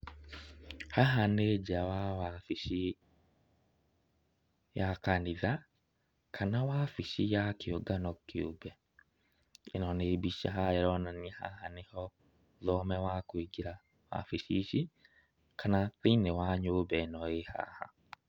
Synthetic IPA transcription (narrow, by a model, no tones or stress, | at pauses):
haɦaned͡ʒawawafiʃi | jakaniða | kʰanawaːfiʃijakɪoɡanɔkiobɛ | ḛnɔnebiʃa̰ɦajɛɾɔnaniha̰hanɪhɔ | ðɔmɛwakweɡiɾa | wa̰fiʃiʃi | kʰanatinewaɲobɛnɔeha̰ha̰